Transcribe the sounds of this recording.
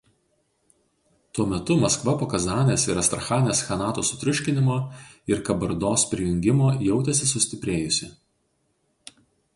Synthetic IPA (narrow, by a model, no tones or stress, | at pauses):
t̪uɔmʲɛt̪ʊmɐskʋɐpoːkɐzɑːnʲeːsɪɾɐst̪ɾɐxɑːnʲeːsxɐnɑːt̪uːsʊt̪ʲɾʲʊʃʲkʲɪnʲɪmoː | ɪɾkɐbɐɾd̪oːspʲɾʲɪjʊŋʲɡʲɪmoːjɛʊt̪ʲɛsʲɪsʊsʲt̪ʲɪpʲɾʲeːjʊsʲɪ